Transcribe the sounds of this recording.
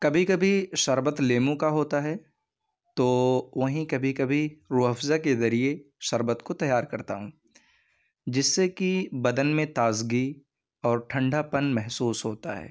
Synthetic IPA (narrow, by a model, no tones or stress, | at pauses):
kɐbʱikɐbʱiʃɐɾbət̪leːmõkaɦoːt̪aɦɛ | t̪oːʋɐɦĩkɐbʱikɐbʱiɾuːɦəfzakezɐɾie | ʃɐɾbət̪kot̪ɐjːaːɾkɐɾt̪a̰ɦũː | d͡ʒɪsːekibɐd̪ənmẽt̪aːzɡi | ɔːɾʈʰɐ̃ɳɖʱapɐnmɛɦsuːsɦoːt̪a̰ɦɛ̰ː